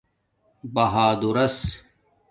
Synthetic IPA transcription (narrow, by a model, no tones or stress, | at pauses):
bɐɦaːd̪uɾɐs